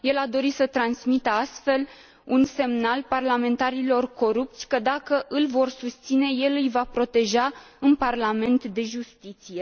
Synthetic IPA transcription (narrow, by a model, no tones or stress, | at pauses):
je̞lad̪o̞ɾisət̪ɾansmit̪əast̪fe̞l | unse̞mnalparlame̞nt̪aɾilo̞rko̞ɾup̚t̪sʲkəd̪akəʔɨlvo̞rsust̪sine̞je̞lɨjvapɾo̞t̪e̞ʒa | ɨnparlame̞nt̪d̪e̞ʒust̪it̪sije̞